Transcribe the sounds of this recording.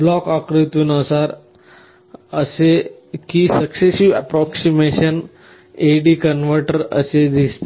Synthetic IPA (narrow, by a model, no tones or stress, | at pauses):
blɔkakɾit̪unəsaɾ | əsekisəksesiʋəpɾɔksimeʃən | eɖikənʋəɾʈəɾə̰sed̪ist̪e